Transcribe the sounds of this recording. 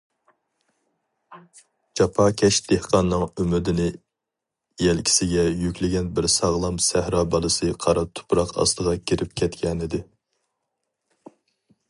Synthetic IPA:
d͡ʒɑpʰɑkʲʰɛʃd̪̥ehqɑnːɨŋymɪd̪ɪnɪ | jɛlkʲʰi̥sɪɡʲɛjykʲlɪɡʲɛnbɪɾsɑʁlˠɑmsæhɾɑːbɑlˠɨsɨqʰɑɾɑt̪ʰʊ̥pʰɾɑqɑ̰st̪əʁɑkʲʰiɾɪp̚kʲʰɛt̪kʲɛnɪd̪ɪ

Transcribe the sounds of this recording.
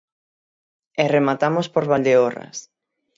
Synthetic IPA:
ɛremat̪amospoɾβald̪eora̰s

